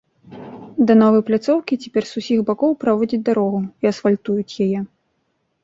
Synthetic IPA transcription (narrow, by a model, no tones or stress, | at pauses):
d̪ɐnɔvɐjplʲat̪sɔwkʲit͡sʲɛ̥pʲɛrsusʲiɣbakɔwpɾavɔd͡zʲid͡zʲd̪aɾɔɣuiɐsfalʲt̪ujut͡sʲjajɛ